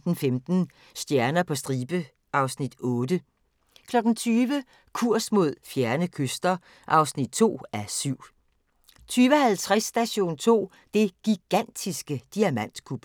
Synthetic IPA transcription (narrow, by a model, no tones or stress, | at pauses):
d̥n̩femd̥n̩ | sd̥jæɐnɐpʰɒ̽sd̥ʁiːb̥ə | ʔɑ̈ʊsnid̥ɔ̽ːd̥ə | kʰlɒ̽ɡ̥n̩t͡sʰyːʋə | kʰuɐ̰smo̝ð̞̰ˠfjæɐnəkʰøsd̥ɐ | ʔɑ̈ʊsnid̥̚t͡sʰo̝̰ːæsyʊ̰ | t͡sʰyːʋəhælt͡sʰʁasːd̥æɕo̝̰ːnt͡sʰo̝̰ː | d̥e̝ɡ̥iɡ̥æn̰d̥isɡ̥əd̥iæmæn̰d̥kʰub̥